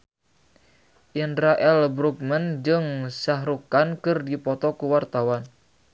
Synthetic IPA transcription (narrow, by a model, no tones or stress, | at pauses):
ʔindɾaʔɛlbɾuk̚mənd͡ʒɨŋsaɦɾukankɨrdipɔt̪ɔkuwart̪awan